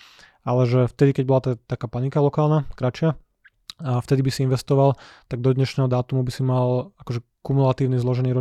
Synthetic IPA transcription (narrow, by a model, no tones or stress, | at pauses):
alɛʒɛft̪ɛd̪ikɛɟ̚bɔlat̪at̪akaːpanikalɔkaːlnakɾat͡ʃɪa | aft̪ɛd̪ibisiinʋɛst̪ɔʋalt̪aɡ̚d̪ɔd̪ɲɛʃnɛːɦɔd̪aːt̪umubisimalakɔʒɛ | kumulat̪iːʊnizlˠɔʒɛniːɾɔ